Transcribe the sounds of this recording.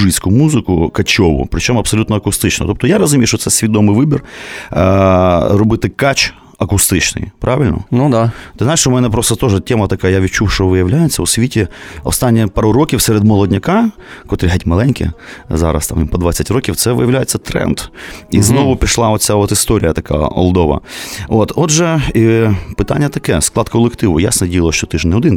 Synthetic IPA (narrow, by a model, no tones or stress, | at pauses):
ʐɨjskʊjʊmuzɨkʊkɐt͡ɕoʋʊ̰pɾʲɪt͡ɕomɐpsɐlʲut̪nɐɐkʊst̪ɨt͡ɕnə̰t̪opt̪ɔjaɾɐzʊmʲejʂt̪ot̪sɛsʲvʲɪd̪omɨjvɨbʲɪrəɾʊbɨt̪ɨkat͡ɕ | ɐkʊst̪ɨt͡ɕnɨ̰jpɾʔavʲɪlʲnə̰nud̪at̪ɨznajɪʂʊmʲɛnapɾost̪ət̪oʐɨtʲemɐt̪ɐkajəjaʋʲɪt͡ɕːufʂʋɨjɪʋlʲæjɪt̪sʲːəosʲʋʲitʲɪɐ̰st̪anʲːɪɛpaɾʊɾokʲɪfsʲeɾʲɪd̪mɔlˠɔdʲnʲɐka | kot̪ɾʲɪɦatʲmɐlˠɛnʲkʲɪ̰za̰ɾɐ̰st̪ammpɐd̪ʋasʲɐtʲɾokʲɪft̪sɛʋɨ̰jɪʋlʲæjɪt̪sʲːɐt̪ɾɛ̰nd̪iznoʋʊpʲɾʲɪʂlˠaot̪sʲaot̪ɪst̪oɾʲɪ̰jət̪ɐka̰jɛ̰ɔ̰lˠd̪oʋɐ̰ot̪ot̪ʐɛipɨt̪a̰nʲɪjət̪ɐkɛsklˠat̪kɐlˠɪkt̪ɪʋʊ̰ja̰snɐdʲijɪlˠəʃt̪ɔt̪ɨʐnʲɪʊd̪ɪn